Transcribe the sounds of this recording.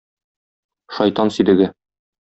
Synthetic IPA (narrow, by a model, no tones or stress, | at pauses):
ʃɒjt̪ɑnsid̪ɘ̆ɡɘ